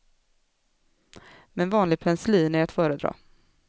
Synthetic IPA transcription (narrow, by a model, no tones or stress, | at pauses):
mɛnvɑːnlɪɡ̚pʰɛnsliːnæɾat̪fœːɾəd̪ɾɑ̰ː